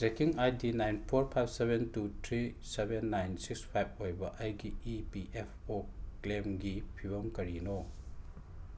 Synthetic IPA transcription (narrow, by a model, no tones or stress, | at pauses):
sekiŋajdinajnpʰoɾpʰajb̚sebʱentutʰɾisebʱenːajnsikspʰajb̚ʰojbɐʔajɡiipiʔepʰoklemɡipʰiβɐmkɐɾino